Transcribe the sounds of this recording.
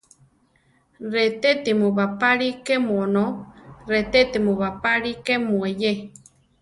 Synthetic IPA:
ret̪et̪imuβapaɾikemuonoret̪et̪imuβapaɺikemueje

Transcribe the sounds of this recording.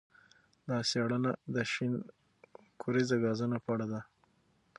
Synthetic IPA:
d̪ɑseɽənad̪əʃin | kʰuɾizaɡɑzunapəaɽad̪a

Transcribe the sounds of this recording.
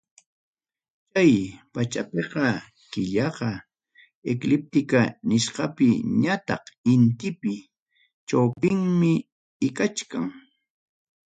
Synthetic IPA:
t͡ʃajpat͡ʃapeqɑ | kɪʎɑqɑ | eklɪp̚t̪ɪkanɪʃqɑpɪɲat̪ɑ̰qɪnt̪ɪpɪ | t͡ʃawpɪŋmɪ | ɪkat͡ʃkaŋ

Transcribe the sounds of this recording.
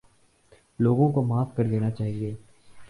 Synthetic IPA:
loːɡõkomaːfkɐɾd̪eːnat͡ʃaːɦieː

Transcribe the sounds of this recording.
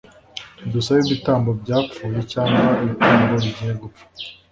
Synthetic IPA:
dusaβiβitaːmbo̞bɟaːp͡fuːje̞caːŋɡwaiβitaːmboɾiɟiɲeɡup͡fḁ

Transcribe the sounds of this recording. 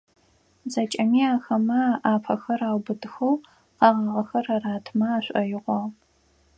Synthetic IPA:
zɐt͡ʃʼɐmiːaːxɐmɐʔaːpʰɐxɐraːwbɨdɨxɐw | qɑʁɐʁɐxɐrɐraːtʰmɐaːɕʷʼɐjɪʁʷɔ

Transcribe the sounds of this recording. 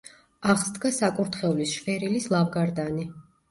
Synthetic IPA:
aʁzd̪ɡasakʼuɾt̪χɛvlisʃvɛɾilislˠamɡaɾd̪ani

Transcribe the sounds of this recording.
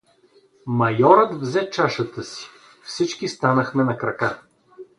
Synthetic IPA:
mɐjɔɾət̪vzɛt͡ʃaʃət̪əsi̥ | fsit͡ʃkist̪anəxmɛnɐkɾɐka

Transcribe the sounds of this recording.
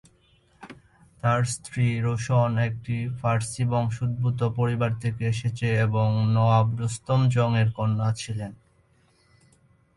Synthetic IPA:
t̪aɾst̪ʰɾiɾoʃonek̚ʈifʰaɾsiboŋʃud̪̚but̪opoɾibaɾt̪ʰekeeʃet͡ɕʰeeboŋnɔabɾost̪omd͡ʑɔŋeɾkonːat͡ɕʰilen

